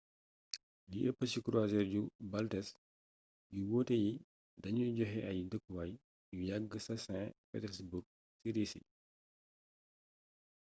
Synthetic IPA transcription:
liʔəpːəsikɾazɛɾɟubɐltɛs | juwɔːtɛji | dɐɲuɟɔɦɛʔɐjindəkːwɐj | jujaɡːəsɐsɛ̃pɛ̰tɛɾsburɡ̚ | sidisḭ

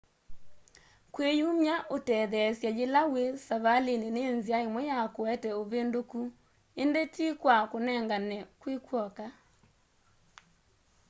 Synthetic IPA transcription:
kwejumjaʔotɛðɛsjad͡ʒelawesaβalenenenziaemɔjakoɛtɛoβendoku | endetikwakonɛŋɡanɛkwikwɔka

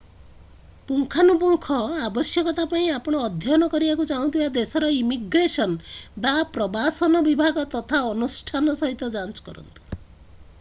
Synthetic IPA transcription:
puŋkʰanup̬uŋkʰɔabɔsjɔkɔt̪apaĩapɔɽ̃ɔːd̪ʱjɔnɔkɔɾibakut͡ʃaɦũt̪ʰibad̪esɔɾɔimiɡɾesɔnbapɾɔbasɔnɔbibʱaɡɔt̪ɔt̪ʰaɔnusʈʰanɔsɔɦit̪ɔd͡ʒant͡ʃɔ̥kɔɾɔ̰nt̪u̥

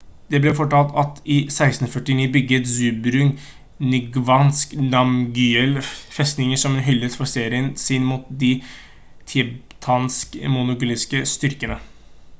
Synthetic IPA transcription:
d̪ɛblɛfɔʈɑːlt̪ɑt̪ɪsæɪst̪n̩fœʈɪniːbʏɡːət̪zʉːbɾʉŋ | nʏɡʋɑnsknɑmɡyːɛlfɛst̪nɪŋəsɔmɛnɦʏlːəsfɔɾseːɾɪənsɪnmuːt̪̚d̪ɪ | t̪ʰɪbt̪ʰɑnskmʊnʊɡʊlɪskəst̪ʏɾkənə

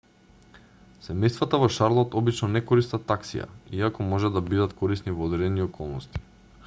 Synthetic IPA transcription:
sɛmɛjst̪vat̪avɔʃaɾlˠɔt̪ɔbit͡ʃnɔnɛkɔɾist̪at̪aksḭja̰iakɔmɔʒɛd̪abid̪at̪kɔɾisnivɔːd̪ɛɾɛniɔkʰɔlˠnɔst̪i̥

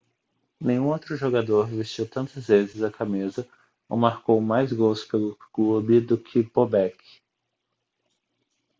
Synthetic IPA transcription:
nẽj̃ũowt̪ɾʊʒoɡad̪oɾvest͡ʃiwt̪ɐ̃nt̪ɐzvezɪzɐkʰamizɐ | o̰maɾkowmajzɡowspelʊklubɪd̪ʊkʰɪpobɛkʰɪ̥

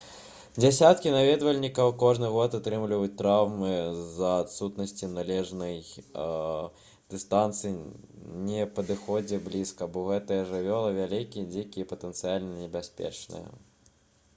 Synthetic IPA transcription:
d͡zʲasʲat̪kʲinavʲɛd̪vɐlʲnʲikɐwkɔʐnɨɣɔt̪at̪ɾɨmlʲivɐjut͡sʲt̪ɾawmɨzɐːt̪sut̪nɐsʲt͡sʲinalʲɛʐnɐj | d̪̥ɨst̪ant̪sɨinʲɛpɐd̪ɨxɔd͡zʲɛblʲiskɐbɔɣɛt̪ɐjɐʐɨvʲɔlˠɐvʲalʲikʲijɛd͡zʲikʲijɛpɐt̪ɛnt̪sɨjalʲnɐnʲɛbʲasʲpʲɛ̰t͡ʂnɨ̰jɐ̰

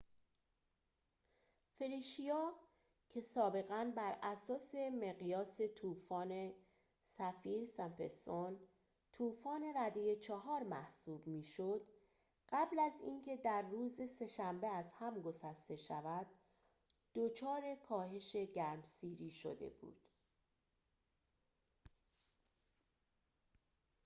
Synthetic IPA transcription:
feɾiʃijɒː | cʰe̞sɒːbe̞ɣænbæɾʔæsɒːse̞me̞ɣijɒːse̞t̪ʰuːfɒːne̞ | sæfiːɾsæmpḛst̪on | t̪ʰuːfɒːne̞ɾæd̪ejet͡ʃʰɒɦɒːɾmæ̰hsuːbmiːʃod̪̥ | ɢ̥æblæziːncʰe̞d̪æɾːuːzese̞ʃæmbe̞æzhæmɡo̞sæst̪e̞ʃævæd̪̥̚ː | ot͡ʃʰɒːɾe̞kʰɒːhe̞ʃe̞ɟæɾmsiːɾiːʃo̰d̪e̞̰bṵːd̪̥

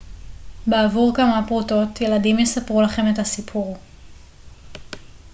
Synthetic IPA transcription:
beavuʁkamapʁuto̞tje̞ladimjesapʁulaχe̞methasipʰuʁ

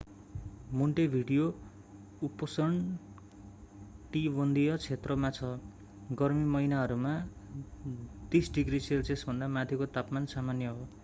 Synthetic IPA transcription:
muɳʈebʱiɽijo | upʌsʌɳ | ʈibʌnd̪ijʌt͡sʰet̪rʌmat͡sʰʌ | ɡʌrmimʌinaɦʌɾuma | t̪isɖiɡriselt͡sesbʱʌnd̪amat̪ʰjikot̪apmansamanjʌɦo

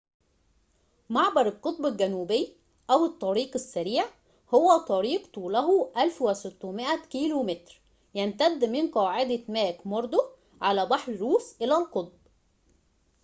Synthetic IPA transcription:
maʕbɑɾˤɪlqot̪̚ˤbɪlɡænuːbɪjː | ʔæwɪt̪ˤːɑɾiːqɪsːæɾiːʕ | howæt̪ˤɑɾiːqt̪ˤuːlæɦuʔælfwɪsɪt̪ːʊmɪʔækiːlumet̪ɾ | jænt̪æd̪ːmɪnqɑːʕɪd̪æmæːkmɑɾˤd̪ˤo | ʕalæːbɑħɾɾuːsʔɪlælqot̪̚ˤb

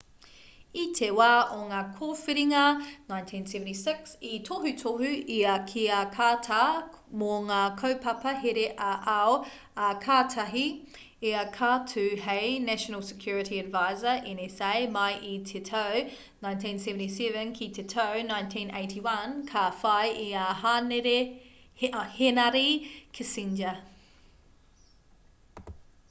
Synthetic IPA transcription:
itʰewaːʔoŋakʰoːfiɾiŋɐnãjntʰĩnsɛvə̃ntisɪksitʰoɦʉtʰoɦʉiɐkʰiɐkʰaːtʰa | moŋakʰəwpʰɐpɐɦeɾeʔɐʔao | ɐkʰaːtʰɐɦi | iɐkʰaːtʰʉheɪnæʃənəlˠsə̥kʰj̥uːɹɪtʰiɐdvaɪzəʔɛnɛsejmajʔitʰetʰow | nãj̃ntĩnsɛvə̃ntisɛvə̃nkʰitʰetʰownãjntʰĩːnḛɪtʰiwɐnkʰafɐjʔiaɦaːneɾe | henɐɾikʰesind͡ʒɐ

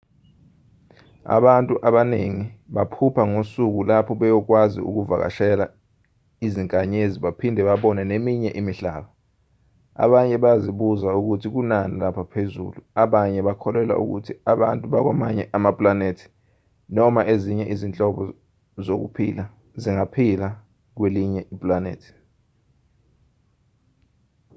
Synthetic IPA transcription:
a̰ɓantʼuʔaɓaneŋiɓapʰupʰaŋosuk̬ulapʰɔɓɛjɔk̬wazḭṵk̬uvak̬a̰ʃɛla | iziŋkʼaɲeziɓapʰindʱɛɓaɓɔnɛnemiɲɛʔimiɬa̰ːɓɔ | a̰ɓaɲɛɓajaziɓuzauk̬utʰik̬unanilapʰapʰezṵluaɓaɲɛɓakʰɔlɛla̰ʔṵk̬ṵtʰiaɓantʼuɓak̬wamaɲɛʔamapʼlanetʰi̥ | nɔmaʔeziɲɛʔizint͡ɬʼɔɓɔ | zok̬ṵpʰila | ziŋapʰila | k̬weliɲɛʔipʼlanḛːtʰi̥

